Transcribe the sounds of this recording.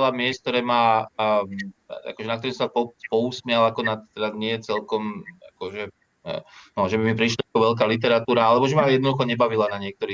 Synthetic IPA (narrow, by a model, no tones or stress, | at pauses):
lamɪɛsk̚t̪ɔɾɛːma | a̰kɔʒɛnakt̪ɔɾisapɔpɔusmɪalakɔnat̪t̪ːɛd̪aɲɪɛjɛt͡sɛlkɔmakɔʒɛ | nɔʒɛbimipɾiʃlaakɔʋɛlk̬aːlit̪ɛɾat̪uːɾaalɛbɔʒɛmajɛd̪nɔd̪uxɔɲɛbaʋilanaɲɪɛk̚t̪ɔɾiː